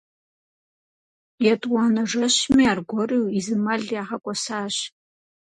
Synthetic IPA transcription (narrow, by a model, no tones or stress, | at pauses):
jɛtʼwɑːnɐʐɐɕmiaːrɡʷɔriwizɨmɐɮjaːʁɐkʷʼɔsaːɕ